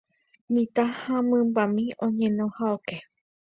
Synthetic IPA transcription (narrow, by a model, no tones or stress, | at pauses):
mĩt̪ahãmɨ̃mbamĩõɲẽnõhaoke